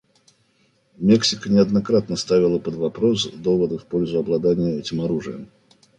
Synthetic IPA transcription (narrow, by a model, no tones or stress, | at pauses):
mʲeksʲɪkənʲɪɐd̪nɐkɾat̪nəst̪avʲɪlˠəpəd̪vɐpɾo̞sd̪o̞vəd̪əfpo̞lʲzʊɐblˠɐd̪anʲɪjəɛtʲɪmɐɾuʐɨ̰jə̰m